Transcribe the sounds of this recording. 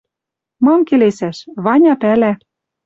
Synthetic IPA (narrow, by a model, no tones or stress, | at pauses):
mɑmkelesæʃβɑnʲɑpælæ